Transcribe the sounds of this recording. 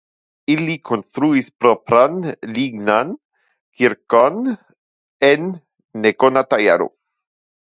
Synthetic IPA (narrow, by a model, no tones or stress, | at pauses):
ilikʰonst̪ɾuispɾopɾanliɡnan | kiɾkon | enː | ekonat̪aja̰ɾo̰